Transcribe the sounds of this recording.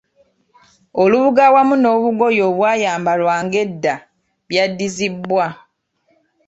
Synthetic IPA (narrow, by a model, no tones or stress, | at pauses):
oluβuɡawamuno̞ːβuɡo̞jo̞ːβwaːjaːmbalwaːŋɡe̞dːa | βjadːizibːwa